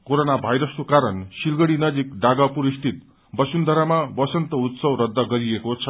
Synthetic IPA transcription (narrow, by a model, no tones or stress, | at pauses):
koɾonabʱajɾʌskokaɾʌnsilɡʌɽinʌd͡zikɖaɡapuɾist̪ʰit̪̚ | bʌsund̪ʱʌɾamabʌsʌnt̪ʌut̪sʌwɾʌd̪ʱːʌɡʌɾiekot͡sʰʌ